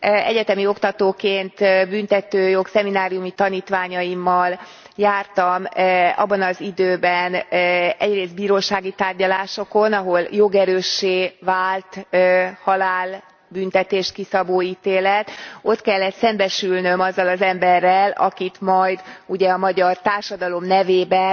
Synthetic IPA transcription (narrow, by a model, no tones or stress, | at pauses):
ɛ̰ɟɛt̪ɛmio̞kt̪ɒt̪oːkeːnt̪bynt̪ɛt̪øːjo̞ksɛminaːɾijumit̪ɒniːt̪ʋaːɲɒjimːɒl | jaːrt̪ɒmɒ̰bːɒnɒzid̪øːbɛnɛɟreːst̪̚biːɾoːʃaːɡit̪aːrɟɒlaːʃo̞ko̞nɒɦo̞ljo̞ɡɛɾøːʃːeːvaːlt̪hɒlaːl | bynt̪ɛt̪eːʃt̪̚kisɒboːiːt̪eːlɛt̪o̞t̪kɛlːɛt̪sɛmbɛʃylnø̞mɒzːɒlɒzɛmbɛrːɛlʔɒ̰kit̪mɒjd̪uɟɛɒmɒɟɒrt̪aːrʃɒd̪ɒlo̞mnɛveːbɛ